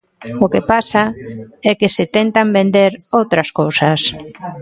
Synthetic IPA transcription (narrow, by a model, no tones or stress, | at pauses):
okepasaɛkɪsɪt̪ɛnt̪ambend̪eɾowt̪ɾɐskowsas